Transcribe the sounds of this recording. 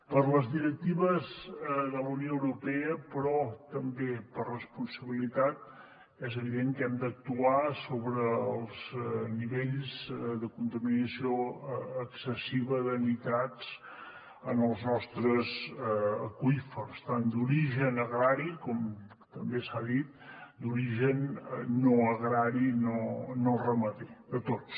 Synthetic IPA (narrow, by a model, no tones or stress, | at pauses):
pəɾləzðiɾək̚t̪iβəzðələwnijoəwɾupɛəpɾɔt̪əmbepərrəspunsəβilit̪at̪ | ɛzəβiðeŋkɛmd̪ək̚t̪uasoβɾəəlˠzniβeʎzðəkunt̪əminəsioəksəsiβəðənit̪ad͡z | ənəlˠznɔst̪ɾəzəkuifərst̪and̪uɾiʒənəɣɾaɾikɔm | t̪əmbesaðit̪̚d̪uɾiʒənːoəɣɾaɾinonorəməðed̪ət̪ot͡s